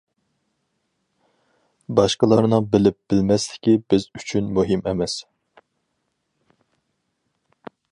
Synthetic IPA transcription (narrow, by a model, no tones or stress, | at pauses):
bɑʃqəlˠɑɾnɨŋbɪlɪp̚b̥ɪlmɛst̪ɪ̥kʲibɪzyt͡ʃʰynmuɦɪmɛmɛs